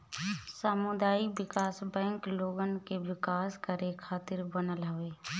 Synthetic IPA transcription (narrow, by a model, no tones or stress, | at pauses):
səmʊd̪aːiʋɪkaːsbɛ̃ːŋkloːɡən̆keʋɪkaːskəɾekʰaːt̪ɪɾbənəlɦəʋeː